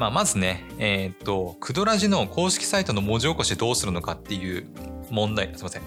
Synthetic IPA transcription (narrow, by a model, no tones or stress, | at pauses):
maːmazɨne̞eːt̪ːo̞kʰɯ̟d̪o̞ɾaʑino̞ko̞ːɕi̥kʲi̥sait̪o̞no̞mo̞ːʑioko̞ɕit̪ed̪o̞ːsɨɾɯ̟no̞kat̪ːe̞jɯ̟ː | mõ̞nd̪aisemasẽ̞